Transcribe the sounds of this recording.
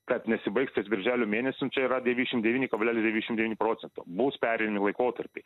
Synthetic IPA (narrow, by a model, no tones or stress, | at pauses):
kɐt̪nʲɛsʲɪbɐɪkst̪ʲesbʲɪɾʲʒʲæːlʲʊmʲeːnʲɛsʲʊnt͡ʃʲɛiɾɐd̪ʲɛʋʲinʲɛʃʲɪmt̪d̪ʲɛʋʲiːnʲɪkɐblʲæːlʲɪsd̪ʲɛʋiːɛʃɪmd̪ʲʋʲiːnʲɪpɾoːt̪sʲɛnt̪o̰ːbuːspʲæːɾʲɛɪnɐmʲɪlˠɐɪkoːt̪ɐɾʲpʲɛɪ